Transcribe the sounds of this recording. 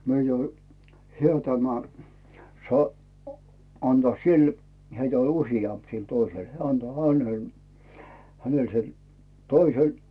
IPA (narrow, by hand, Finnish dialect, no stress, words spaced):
myø jo hĕæ tæmæ sɑ ɑntɑ sil heitæ olʲ usijɑmp sil toisel heæ ɑnto h̆ænel hænel sel toisel